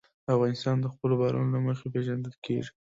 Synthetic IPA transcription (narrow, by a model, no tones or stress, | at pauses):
afɣɑnɪst̪ɑnd̪əxpəlobaɾṵnolaməxepeʒand̪əlkḛʐi